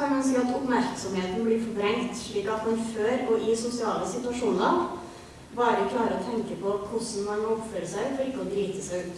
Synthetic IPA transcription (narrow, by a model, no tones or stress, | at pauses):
ɑnmɛnsəːɑt̪ɔpmæɾksɔmheːt̪n̩blɪːfɔɾbɾɛŋt̪ʂɭiːkɑt̪mɑnføːɾɔʔɪsʊsɪɑːləsɪt̪ʉɑʂuːnəɾ | bɑːɾəkʰlɑːɾəɔt̪ʰɛŋkəpʰɔkʰʊsn̩mɑnɔpføɾəsæɪfɔɾɪkːəɔd̪ɾiːt̪əsæɪʉːt̪